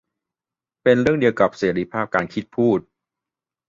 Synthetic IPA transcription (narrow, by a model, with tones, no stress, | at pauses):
pe˧nɾɯ˥˩əŋdi˧əwka˨˩p̚seː˩˦ɾi˦˥pʰaː˥˩p̚kaː˧nkʰi˦˥t̪̚pʰuː˥˩t̪̚